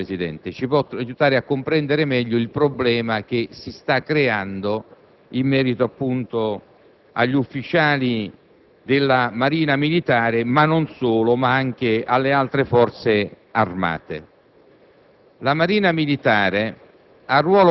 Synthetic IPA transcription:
esid̪ɛ̰nt̪ɪt͡ʃipwɔajut̪aːɾɪakːʊmpɾɛnd̪eɾɪmɛʎːʊilpɾoblɛːmak̟esist̪akːɾeand̪o | imːɛːɾit̪oapːunt̪o | a̰ʎːufːit͡ʃaːli | d̪ɪlːamaɾiːnamilit̪aːɾɪmanːonsoːlʊmaaŋk̟ɪalːealt̪ɾɪfɔrt̪se | arma̰ːt̪ɪ̰ | lamaɾiːnamilit̪aːɾɪ | arːwɔːl

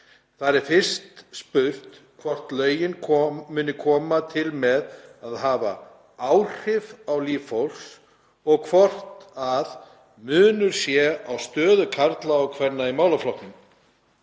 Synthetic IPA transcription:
θaɾɛɾ̥fɪr̥st̪spʏr̥t̪kʰvɔr̥t̪lœːɥjɪnʰɔmʏːnɪkʰɔːmat̪ʰɪlmɛðaðɦaːva̰ | aːwr̥ɪvawliːffowls | ɔɣkʰvɔr̥t̪að | mʏːnʏɾ̥sjɛawst̪œːðʏkʰaɾt̪laɔɣkʰvɛnːaimaːwlaflɔht̪ɪn

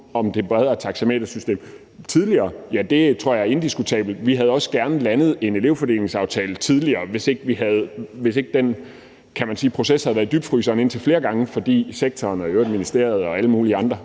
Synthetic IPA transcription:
ɒ̽md̥e̝b̥ɛð̞ˠɐt͡sʰɑ̈ɡ̥semḛːd̥ɐsysd̥e̝̰ːm | t͡sʰið̞ˠliɐːjæd̥e̝t͡sʰʁo̝ɐ̰jɑ̈æɐe̝nd̥isɡ̥ut͡sʰɛ̰ːb̥l̩d̥ʋiɦæð̞̩ˠɒ̽sə̥ɡ̥æɐnəlænð̞̩ˠe̝ne̝le̝ʊfɒ̽d̥e̝ːle̝ŋsɑ̈ʊt͡sʰɛːlət͡sʰið̞ˠliɐːʋe̝se̝ɡ̥əʋiɦæð̞̩ˠʋe̝se̝ɡ̥əd̥en | kʰæmænsiːpʰʁo̝seshæð̩ˠæɐdyb̥̚fʁy̰ːsɐːne̝n̰t͡sʰe̝lfle̝ːɐɡ̥ɑ̈ŋəfɒ̽d̥ḭːseɡ̥̚t͡sʰɒːnɒøʊɐd̥minisd̥e̝ɐ̰ð̞̩ˠɒ̽æləmuːliɑ̈nd̥ʁɐ

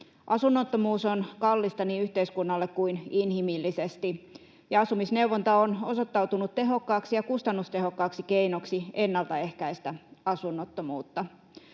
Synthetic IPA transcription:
ʔɑsunːot̪ːomuːsonkɑlːist̪ɑniyht̪eiskunːɑlːekkuininhimilːisest̪i | jɑɑsumisneuwʋont̪ɑono̞so̞t̪ːɑwt̪unut̪te̞ɦo̞kːɑːksijɑkust̪ɑnːust̪e̞ɦo̞kːɑːksike̞inoksienːɑlt̪ɑe̞hkæist̪æɑsunːot̪ːomuːt̪ːɑ

